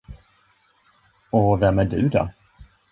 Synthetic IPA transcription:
ɔvɛmæɖɵ̰d̪ɔ̰

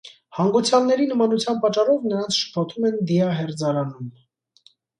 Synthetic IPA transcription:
hɑŋɡut͡sʰjɑlnɛɾinəmɑnut͡sʰjɑnpɑt͡ʃːɑrɔvnəɾɑnt͡sʰʃə̥pʰɔt̪ʰumɛnd̪iɑɦɛɾd͡zɑɾɑnum

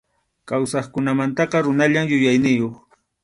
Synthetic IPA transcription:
kawsɑχkʊnamant̪ɑqɑɾʊnaʎamjʊjajnɪjoχ

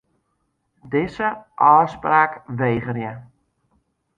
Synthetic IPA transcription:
dɪsəʔɔːspraːkʋeːχərjə

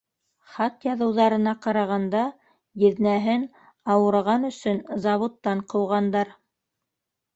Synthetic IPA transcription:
χɑt̪jɑðɤ̆wðɑɾɤ̆nɑqɑɾɑʁɑnd̪ɑ | jɘ̆ðnæɦɘn | ɑwɤ̆ɾʁɑnɵ̆sɵnzɑβŏt̪ːɑɴqɤ̆wʁɑnd̪ɑɾ

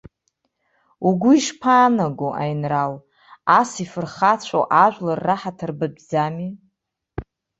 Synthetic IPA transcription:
uɡʷʊiʂpʰaːnaɡʷoʔa̰jnral | asifɨrχat͡ɕʷʰo̰ʔaʒʷᶣlarːaħatʰarbɨdd͡zami

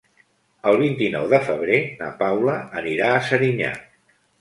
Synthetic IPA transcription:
əlˠβ̞int̪inɔ̰wðəfəβ̞ɾena̰pawləəniɾaəsəɾiɲa̰

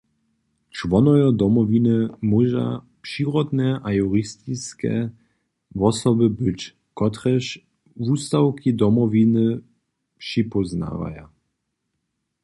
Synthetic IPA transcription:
t͡ʂvɔnɔjɔd̪ɔmɔvʲinɨmuʒa̰ | pʂiɾɔd̪nɛʔajuɾist̪iskɛ̰ | vɔsɔbɘbɘt͡ɕ | kɔt̪ɾɛɕ | vust̪awkʰʲid̪ɔmɔvʲinɘ | pʂipɔzna̰va̰ja̰

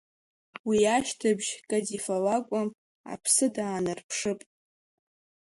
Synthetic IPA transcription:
wiaʃtʰabʒkʼadifalakʷʼʊm | a̰pʰsɨdaːnɨrpʰʂɨpʼ

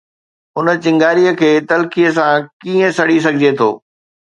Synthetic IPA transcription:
ʊnə̆t͡ɕɪ̃ŋɡaːɾijəkʰeːt̪ɐlkijəs̬ãkiːə̃sɐɽ̤is̬ɐɡʱɪd͡ʑet̪ʰo̰ː

